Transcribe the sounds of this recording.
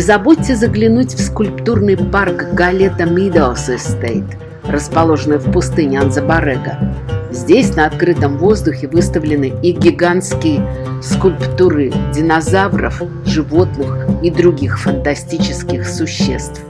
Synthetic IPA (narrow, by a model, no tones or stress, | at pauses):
ɪzɐbot̚ʲːɪzəɡlʲɪnutʲfskʊlʲpt̪urnɨjparkɡɐlʲe̞t̪əmʲid̪əlˠsɨst̪ait̪ | rəspɐlˠo̞ʐɨnɨjfpʊst̪ɨnʲɪanzəbɐɾɛɡəzʲdʲesʲnəɐt̪̚kɾɨt̪əmvo̞zd̪ʊxʲɪvɨst̪əvlʲɪnɨiɡʲɪɡanskʲɪjəskʊlʲpt̪uɾɨdʲɪnɐzavrə̰f | ʐɨvo̞t̪nɨxid̪ɾʊɡʲixfənt̪ɐsʲtʲit͡ɕɪskʲɪxsʊɕːe̞̰st̪f